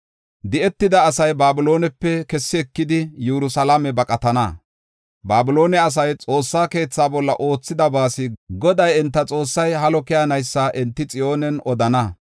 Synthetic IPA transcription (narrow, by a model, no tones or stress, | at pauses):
d̪ɪɛt̪ːɪd̪ɐːsɐjbaːbɪlo̞ːnɛpːɛkɛsːɪɛkːɪd̪ɪjɛɾʊsɐlamɛbɐkʼɐt̪ɐnɐ̰ | baːbɪlo̞ːnɛɐs̬ɐjt͡sʼo̞ːsːaːke̞ːt͡sːaːbɔlːɐʔo̞ːt͡sːɪd̪ɐbaːsɪɡɔd̪ɐjɛnt̪ːɐt͡sʼo̞ːsːɐjɦɐlɔkɪjaɐnɐjsːɐʔɛnt̪ːɪt͡sʼɪjo̞ːnɛnʔɔd̪ɐnɐ